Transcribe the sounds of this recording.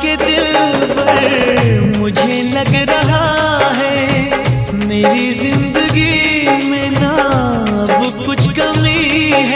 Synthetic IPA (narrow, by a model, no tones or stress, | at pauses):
ked̪ɪlʋɐɾmʊd͡ʒʱelɐɡɾɐɦa | ɦɛ | meːɾizɪ̃nd̪əɡimẽnɐ | ɐbkʊt͡ʃʰkɐmiɦɛ